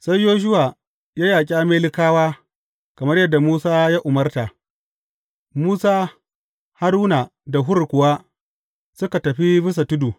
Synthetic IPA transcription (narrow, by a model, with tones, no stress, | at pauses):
sa˦jjoː˦ʃ̬ʊ˦waː˨ | jaː˦jaː˨k̬ʲʼaː˦meː˦lɪ˦kaː˦waː˦ | kɐ˨mɐ˦rjɐ˦dːa˨muː˦saː˦jaː˦ʔʊ˨mɐ˦rta˨ | muː˦saː˦ | ha˦ɾuː˦na˨da˨ɦʊ˦ɾkʷʊ˨wa˦ | sʊ˦ka˨tɐ˨ɸi˦bɪ˦s̬a˨tʊ˦du˨